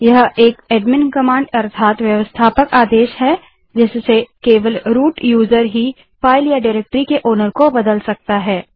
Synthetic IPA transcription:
jɐɦeːkeːɖmɪnkɐmãːɳɖɐɾt̪ʰaːt̪ʋjɐʋəst̪ʰaːpəkaːd̪eːʃɦɛ | d͡ʒɪssekeːʋəlɾuːʈjuːzəɾɦi | faːɪljaɖaɾeːk̚ʈɾikeʔoːnəɾkobɐd̪əlsɐk̚t̪aɦɛː

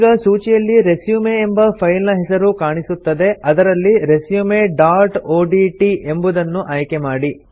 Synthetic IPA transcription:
ɡɐsuːt͡ʃijɐlːiɾesjuːmeːmbɐpʰɐjlnɐɦɛsɐɾukaːɳisut̪ːɐd̪e̞ɐd̪ɐɾɐlːiɾesjumeɖaːɾʈoːɖiʈiʔe̞mbud̪ɐnːuʔaːjkemaːɽi

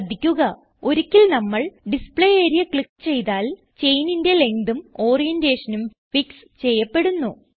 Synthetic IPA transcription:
d̪ːikʲːuɣɐ | o̞ɾikʲːilnɐmːɐɭɖispɭejeːɾijɐkɭikːɨ̥t͡ɕe̞jt̪aːl | t͡ɕe̞jninde̞le̞ŋd̪umo̞ːrijende̞ːʂɐnumfiks | t͡ɕe̞jːɐpːe̞ɽunːu

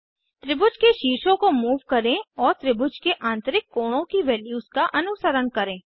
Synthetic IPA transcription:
t̪ɾɪbʊd͡ʒkeʃiːʃõkomuːʋkɐɾẽɔːɾt̪ɾɪbʊd͡ʒkeʔãːnt̪əɾɪkːoːɽ̃õkiʋɛːljuːzkaʔɐnʊsəɾəɳkɐɾẽː

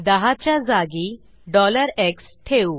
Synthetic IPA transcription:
d̪əɦat͡ɕjad͡zaɡi | ɖɔləɾeks | ʈʰeu

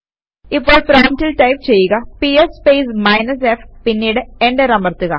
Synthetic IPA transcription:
ipːo̞ːɭpɾaːntːilʈɐjpt͡ɕe̞jːuɣɐpiespejsmɐjnɐseːfpinːiːɽɨeɳɖeɾɐmɐrt̪ːuɣɐ

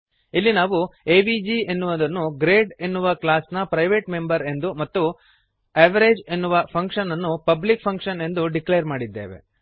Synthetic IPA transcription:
ilːinaːʋueːbid͡ʒie̞nːuʋɐd̪ɐnːuɡɾeːɖe̞nːuʋɐklaːsnɐpɾɐjʋeːʈme̞mbɐɾe̞nd̪umɐt̪ːu | eʋɐɾeːd͡ʒe̞nːuʋɐpʰɐŋkʂɐnɐnːupɐblik̚pʰɐŋkʂɐne̞nd̪uɖiklejɐɾmaːɽid̪ːḛːʋḛ

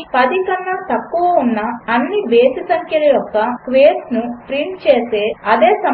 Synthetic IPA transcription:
pɐd̪ikɐnːɐt̪ɐkːuʋɐunːɐːnːiʋeːsisɐŋkʰjɐlɐjɔkːɐkʋeːsnupɾiːlt͡ʃeːse̞ːɐd̪e̞ːsɐ

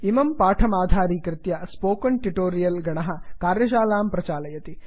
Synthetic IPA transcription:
imɐmpaːʈʰɐmaːd̪ʱaːɾiːkɾɪt̪jɐspoːkɐɳʈiʈoːɾijɐlɡɐɳɐɦɐkaːɾjɐʃ̬aːlaːmpɾɐt͡ʃaːlɐjɐt̪i

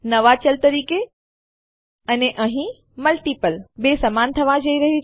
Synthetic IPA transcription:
nɐʋat͡ʃəlt̪ɐɾiːke | ɐneʔɐ̃ɦĩ | məlʈiːpəlbesɐmaːnt̪ʰɐʋãd͡ʒɐiɾɐɦi

